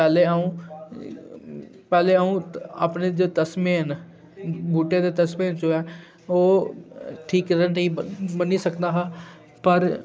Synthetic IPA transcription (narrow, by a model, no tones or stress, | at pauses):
pɛːleːaːũː | pɛːleːaːũːa̰ːpneːd͡ʒoːt̪əsmeːɦən | buːʈeːd̪eːt̪əsmeːnt͡ʃoɛː | oː | ʈʰiːkɾənəĩːbəniːsəkd̪aːɦaː | pəɾ